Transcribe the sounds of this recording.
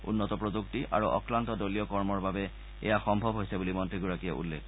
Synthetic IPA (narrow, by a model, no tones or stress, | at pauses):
ṵnːɔtɔpɹoduktiʔa̰ɹuʔɔ̰kɹantɔdoliɔkɔɹmɔɹbabɛ | ɛ̰jaxɔmbʱɔbʱɦojsɛbulimɔntɹiɡuɹakijɛ̰ʔṵlːḛk